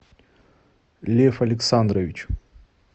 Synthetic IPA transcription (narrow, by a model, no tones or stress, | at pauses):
lʲefɐlʲɪksand̪ɾəvʲɪt͡ɕ